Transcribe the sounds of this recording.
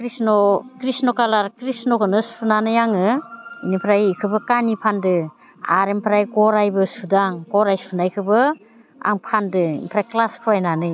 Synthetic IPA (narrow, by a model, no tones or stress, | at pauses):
kɾisnɔkɾisnɔkalaɾkɾisnɔkɯnɯsunanɯjaŋɯinipʰɾajikʰɯbɯkanipʰandɯ | a̰ɾempʰɾajɡɔɾajbɯsudaŋɡɔɾajsunajkʰɯbɯ | a̰ŋpʰandɯḭmpʰɾajklaspʰuajnanɯj